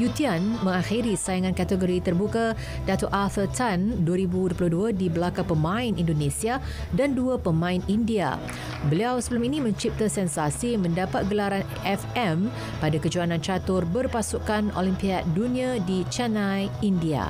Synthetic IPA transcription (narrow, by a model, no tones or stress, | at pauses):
jut̪ianmə̃ŋaxiɾisajaŋãnkat̪əɡoɾit̪ərbuka | dat̪ʊʔalfət̪anduəɾibudupulʊhduadibəlakaŋpəmãɪnindonẽsia | danduapəmãɪnindia̰ | bəliawsəbəlʊminĩmə̃ɲt͡ʃip̚t̪asɛnsasimə̃ndapat̪̚ɡəlaɾan | ʔɛfɛm | padakəd͡ʒuanãnt͡ʃat̪ʊrbərpasukano̰limpiat̪̚dunĩadit͡ʃanajindia̰